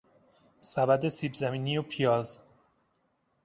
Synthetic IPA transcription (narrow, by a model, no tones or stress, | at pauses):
sæbæd̪esiːbzæmiːniːopʰijɒːz